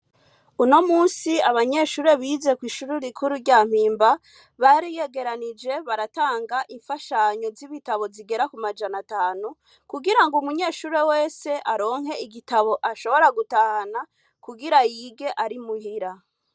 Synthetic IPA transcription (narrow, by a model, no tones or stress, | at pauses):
uno̞muːnsiaβaɲe̞ʃuːɾe̞βiːze̞kwiːʃuɾuɾikʰuɾuɾɟaːm̥iːmba | βaɾije̞ɡe̞ɾanid͡ʒe̞βaɾataːŋɡaʔiɱfaʃaɲo̞ziβitaβo̞ziɡe̞ɾakumad͡ʒanataːnu | kuɡiɾaŋɡumuɲe̞ːʃuːɾe̞we̞ːse̞ʔaɾo̞ːŋ̥ɦe̞iɡitaβo̞ʔaʃo̞βo̞ɾaɡutaːhana | kuɡiɾajiɡe̞ʔaɾimuhiɾa